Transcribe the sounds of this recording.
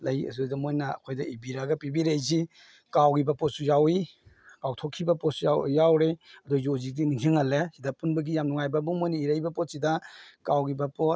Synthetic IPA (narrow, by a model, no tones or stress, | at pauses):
lɐjḛzudamojnaɐ̰kʰojdaibiɾaɡɐpibiɾejzi | kawɡibɐpɔtsujawi | kawtʰɔkʰːibɐpɔsujajawɾeɐdɔzozidiniŋɦiŋɐlesidapunbɐɡijamnuŋajbabumojniiɾajbɐpɔtsidakawɡibapɔt